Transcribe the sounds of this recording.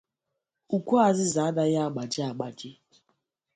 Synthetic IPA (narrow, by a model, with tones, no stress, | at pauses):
u˨kʷu˦a˨zɪ˦za˨a˦da˦ja˦a˨ɡ͡ba˨d͡ʒɪ˦a˨ɡ͡ba˨d͡ʒɪ˦